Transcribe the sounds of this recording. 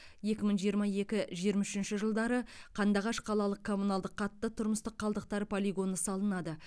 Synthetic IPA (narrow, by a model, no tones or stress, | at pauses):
je̞kʲɪməɴʒijəɾmɑje̞kʲɪʒijəɾmɑʏʃɪnʃɪʒəlˠd̪ɑɾəqʰɑnd̪ɑʁɑʃqʰɑlˠɑlˠəq̚kʰo̞munɑlˠd̪əqʰːɑt̪ːət̪ʰʊɾməst̪əqʰːɑlˠd̪əq̚t̪ɑɾəpʰo̞lʲiɡo̞nəsɑlˠənɑd̪ə